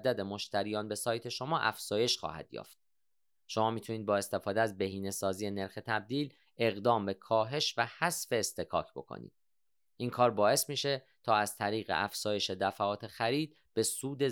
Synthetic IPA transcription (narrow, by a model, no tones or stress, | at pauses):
d̪æd̪e̞moʃt̪ʰæɾijɒːnbe̞sɒːjt̪ʰe̞ʃo̞mɒːʔæfz̥ɒːje̞ʃxɒ̰ːhæ̰d̪̥jɒ̰ːft̪̚ | ʃo̞mɒːmiːt̪ʰuniːd̪bɒːe̞st̪e̞fɒːd̪eæzbeɦiːne̞sɒːziːene̞ɾxe̞t̪ʰæb̚d̪iːl | e̞ɣd̪ɒːmbe̞kʰɒːɦe̞ʃvæhæsfe̞ːst̪ʰe̞kʰɒ̰ːcʰb̥o̞̰kʰo̰nḭːd̪̥̚ | ʔiːŋkʰɒːɾbɒːe̞smiːʃe̞ | t̪ʰɒːæz̥t̪ʰæɾiːɣḛʔæfz̥ɒːje̞ʃe̞d̪æfæɒːt̪ʰe̞xæɾiːd̪̚ | b̥e̞suːd̪e̞